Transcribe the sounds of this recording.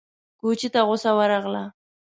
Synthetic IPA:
kut͡ʃit̪aɣʊsawaɾaɣla

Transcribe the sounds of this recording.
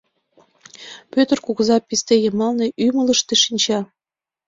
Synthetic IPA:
pøt̪ərkuɣzɑpist̪ejəmɑlneʔymələʃt̪eʃinʲt͡ɕɑ

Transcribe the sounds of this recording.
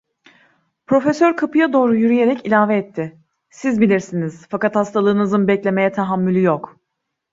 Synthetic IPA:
pɾo̞fesøɾkʰapɯjad̪o̞ːɾujyɾyje̞ɾɛcilʲaːvɛːt̪ʰːɪ | sizbilʲiɾsiniz̥fakat̪hast̪ʰalˠɯːnɯzɯnbɛclʲe̞me̞jɛt̪ʰaɦamːylʲyjok

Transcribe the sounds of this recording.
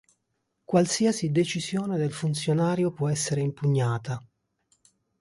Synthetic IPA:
kwalsiasid̪et͡ʃizjoːned̪elfunt̪sjonaːɾjopwɔɛsːeɾeimpuɲːaːt̪a

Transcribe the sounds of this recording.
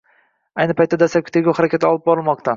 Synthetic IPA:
ajnɪpʰajt̪ːad̪asapkʲʰɪt̪eɡʲohaɾakʲat̪ʰɪɒlˠɪp̚bɒɾɪlˠmɒq̚t̪ʰa

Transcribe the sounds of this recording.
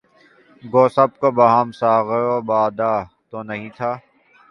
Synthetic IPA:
ɡoːsɐb̚kobɐɦamsaːɣɾobaːd̪aː | t̪onɐɦĩːt̪ʰaː

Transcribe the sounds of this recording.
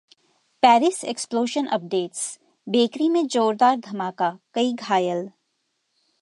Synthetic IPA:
pɛːɾɪseksploːʃənʔɐp̚ɖeːʈs | beːkɾimẽd͡ʒoːɾd̪aːɾd̪ʱɐmaːkakɐiɡʱaːjəl

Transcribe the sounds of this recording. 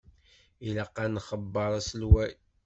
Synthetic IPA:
iləqːɑnχəbːəɾˤæslwæ

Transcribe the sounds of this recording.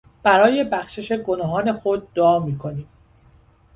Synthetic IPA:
b̥æɾɒːje̞bæxʃe̞ʃe̞ɡo̞nɒːɦɒːne̞xo̞d̪̚ːoɒːmiːkʰo̞niːm

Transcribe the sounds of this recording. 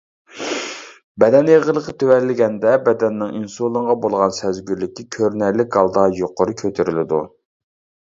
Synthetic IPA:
bɛd̪ɛnjeʁəlˠəqət̪ʰøwɛlːɪɡʲɛnd̪ɛbɛd̪ɛnːɪŋinsolˠəŋʁɑbolˠʁɑnsɛzɡʲyɾlɪkʲikʲʰøɾnɛɾlːɪk̚ɡɑlˠd̪ɑjoqoɾɨkʲʰøt̪ʰyɾɪlɪd̪ṵ

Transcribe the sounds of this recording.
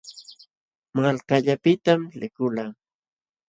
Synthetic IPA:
malkaʎapɪt̪amlɪkʊlaː

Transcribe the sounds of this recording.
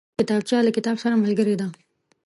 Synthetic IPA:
kɪt̪ɑb̚t͡ʃɑlakɪt̪ɑbsaɾaməlɡəɾed̪a

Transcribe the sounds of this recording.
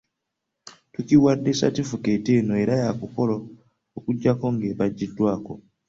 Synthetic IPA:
tuciwadːe̞sa̰tifuke̞teːnoe̞ɾajakuko̞lo | okuɟːako̞ŋɡe̞βaɟːidːwaːko̞

